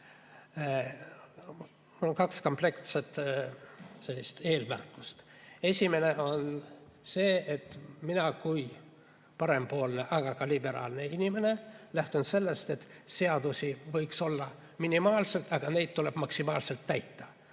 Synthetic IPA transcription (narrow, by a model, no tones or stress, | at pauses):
onkɑksko̞mple̞kt̪set̪ | selʲːist̪e̞ːlmærkːˑu̥st̪ | e̞sʲime̞ne̞o̞nse̞ːet̪ːˑminɑkuj | pɑɾe̞mpo̞ːlne̞ʔɑɡ̥ɑkɑlibe̞ɾɑ̰ːlne̞inime̞ne̞læht̪unse̞lːe̞st̪e̞t̪se̞ɑd̪̥usivɤjkso̞lːɑ | minimɑːlse̞lt̪ɑɡ̥ɑne̞jd̪̥̚t̪ːule̞b̥mɑksimɑːlse̞lt̪ːæjt̪ːɑ